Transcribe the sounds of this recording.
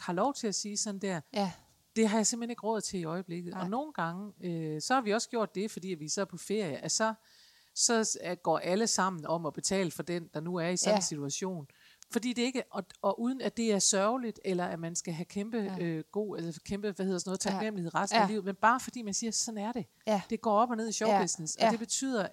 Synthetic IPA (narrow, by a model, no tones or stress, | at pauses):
hɑ̈lɒʊt͡sʰe̝læsiːsɒ̽n̩d̥æɐ̰ | d̥e̝ɦɑ̈jɑ̈sem̰̥hene̝ɡ̥əʁɔ̽ð̩ˠt͡sʰe̝liɒ̽ɪəb̥le̝ɡ̥ð̩ˠɒ̽no̝ːn̩ɡ̥ɑ̈ŋəøsɒ̽hɑ̈ʋiɒ̽sɡ̥jo̝ɐ̰d̥ːe̝fɒd̥ḭːʋisɒpʰɒ̽fe̝ɐ̰jəʔæsɒ | sɒ̽ɡ̥ɒ̰ːʔæləsɑ̈m̰n̩ɒ̽mɒ̽b̥e̝t͡sʰɛ̰ːləfɒ̽d̥end̥ɑ̈nuæɐisɒ̽nn̩sit͡sʰuæɕo̝̰ːn | fɒ̽d̥ḭːd̥e̝e̝ɡ̥əʔɒɒ̽ʔuːð̞ˠn̩æd̥e̝æɐsɶɐʊlid̥elɐæmænsɡ̥æɦækʰemb̥əɡ̥o̝̰ːælsɐkʰemb̥əʋæheð̰ˠsnɔ̽ð̩ˠt͡sʰɑ̈ɡ̥nem̰lihe̝̰ʁasdnnælḭʊ̰ð̩ˠmenb̥ɑ̈ːfɒ̽d̥ḭːmænsiːɐsɒ̽næɐɾ̥e̝ | d̥e̝ɡ̥ɒ̰ːɒ̽b̥ɒne̝ð̞̰ˠiɕɒʊb̥esnesɒ̽d̥e̝b̥e̝t͡sʰy̰ð̰ˠɐ